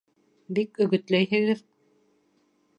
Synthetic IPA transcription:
bikɵ̆ɣɵ̆t̪læjɦɘ̆ɣɘð

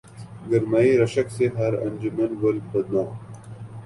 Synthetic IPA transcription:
ɡɐɾmaːiɾɐʃɐkseɦɐɾɐ̰nd͡ʑumɐnbɐlbɐd̪naːm

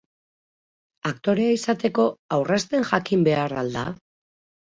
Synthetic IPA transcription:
akt̪o̞ɾe̞aisat̪e̞ko̞awrest̪e̞ŋʝakimbe̞arald̪a

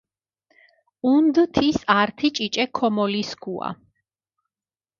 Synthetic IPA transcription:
und̪t̪ʰisaɾt̪ʰit͡ʃʼit͡ʃʼɛkʰɔmɔliskʰua̰

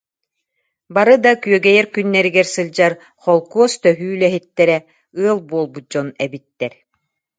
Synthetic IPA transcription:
baɾɯd̪akyœɡɛjɛɾkynːɛɾiɡɛɾsɯld͡ʑaɾ | χɔlˠkuɔst̪œɦyːlɛɦit̪ːɛɾɛ | ɯɐlˠbuɔlˠbut̪̚d͡ʑɔnɛbit̪ːɛɾ

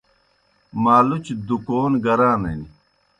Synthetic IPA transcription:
maːlut͡ɕd̪ukoːnɡɐɾaːnɐ̰ni

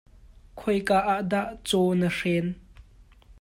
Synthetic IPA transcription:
kʰɔjkaːʔaʔdaʔt͡sɔnərɛn

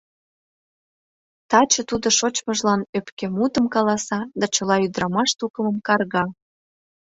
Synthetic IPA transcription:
t̪ɑt͡ɕə̆t̪ud̪oʃot͡ɕməʒlɑnøpkemut̪əmkɑlɑsɑd̪ɑt͡ɕə̆lɑyd̪ɾɑmɑʃt̪ukəməmkɑrɣɑ

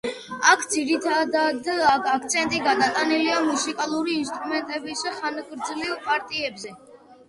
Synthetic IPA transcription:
akʰd̪ziɾit̪ʰad̪ad̪akʰak̚ʰt̪sʰɛnt̪ʼiɡad̪at̪ʼaniliamusikʼalˠuɾiːnst̪ʼɾumɛnt̪ʼɛbisaχanɡʼɾd̪zlivpʼaɾt̪ʼiɛbzɛ

